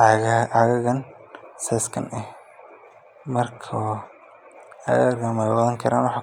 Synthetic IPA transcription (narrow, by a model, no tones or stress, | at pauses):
ɐɣɐɣɐn | sɛːskʰɐ̰nɛh | mɐrkʰɔ | ɐ̰ɣrɣamɐjwɑðɐŋkʰɐɾa̰ːnwɑħɑː